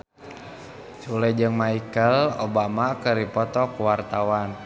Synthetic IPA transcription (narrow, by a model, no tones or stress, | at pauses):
t͡ʃulɛd͡ʒɨŋmaikəlobamakəɾipɔt̪ɔkuwart̪awan